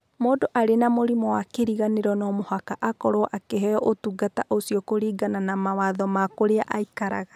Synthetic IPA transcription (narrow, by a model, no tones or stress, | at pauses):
moːdoʔaɾenamoɾimɔwakeɾiɣaneɾɔnɔmohakaʔakɔɾoɔʔakeɦɛɔʔotuɡataʔosiɔkoɾiːɡananamawaðɔmakoɾea̰ʔaikaɾa̰ɣḁ